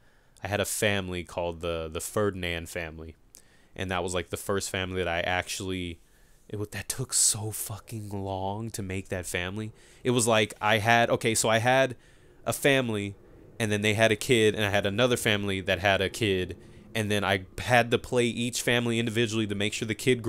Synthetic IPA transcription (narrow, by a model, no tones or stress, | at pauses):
ʔaɪɨɾɨfæ̃mlikʰɔlˠd̪̚ðəðəfɜ˞dⁿn̩æ̃nfæ̃mli | ʔɨ̰̃nðət̚wʌzlaɪk̚ðɨfɜ˞stfæ̃mliðɨɾaɪʔæk̚t͡ʃul̩ˠi | ʔɪt̚wʌðɨtʰʊksoʊfʌkɪ̃ŋlɔ̃ŋtʰɨmeɪk̚ðɨtfæ̃mli | ɨt̚wʌzlaɪka̰ɪɨɾʔoʊkʰeɪsoʊaɪɨɾ | ʔəfæ̃mli | ɨ̃nðɨ̃nðeɪɨɾɨkʰɪɾɨ̰̃naɪɨɾɨnʌðə˞fæ̃mliðɨt̚ɦɨɾɨkʰɪɾ | ɨ̃nðɨ̃ña̰ɪɨd̚tɨpʰl̥eɪʔit͡ʃfæ̃mliɪ̃ndɨvɪd͡ʒl̩ˠiɾɨmeɪkʃʊɹðɨkʰɪd̚ɡ